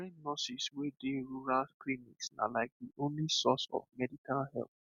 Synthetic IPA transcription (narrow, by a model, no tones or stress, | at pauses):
ɹĩnnɔsiswedeɹuɹalklinḭksna̰laɪk̚diʔõnlisɔsɔ̰vmɛdikalhɛ̰lθ